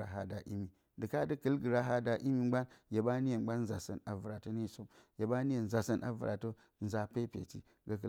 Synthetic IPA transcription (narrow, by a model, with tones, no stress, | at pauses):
a˨ɦa˦da˨ʔḭ˦mi˨ | dɨ˨ka˦də˦kə˦lɡə˨ɾa˦ɦa˦da˨ʔi˦mi˨ŋ͡ma˦nje˨ba˦ni˦e˨˦ɡ͡ba˦n˦za˨sə̰˨na˨vu˨ɾa˨to˦ni˦i˨so˦mje˨ba˦ni˦je˨n˨za˨sə˦nʔa̰˨vṵ˨ɾʔa̰˨to˦ | n̩˦za˨pe˦pʲḛ˨t͡ʃḭ˦ | ɡa˦kə˦